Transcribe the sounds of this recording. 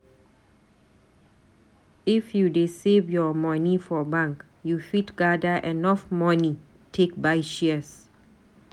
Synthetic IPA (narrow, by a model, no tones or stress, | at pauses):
ifjudesevjɔmɔ̃nifɔbãŋk | jufitɡadəʔɛnɔfmɔni | tʰek̚bajʃiəs